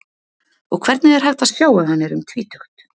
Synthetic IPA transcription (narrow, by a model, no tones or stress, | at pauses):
ɔɣkʰv̥ɛɾt̪nɪɛɾ̥ɦɛlt̪asjaːwahanːɪɾʏmt̪ʰviːt̪ʰœxt̪